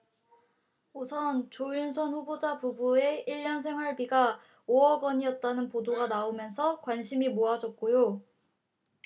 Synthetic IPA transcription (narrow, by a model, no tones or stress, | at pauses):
usʰʌnt͡ɕojunsʰʌnɸubod͡ʑabubue̞iɭːʌnsʰe̞ŋwaɭbiɡa | oʌɡʌɲiʌt̚t͈anɯnpodoɡanaomjʌnsʰʌkwanɕʰimimoad͡ʑʌt̚k͈ojo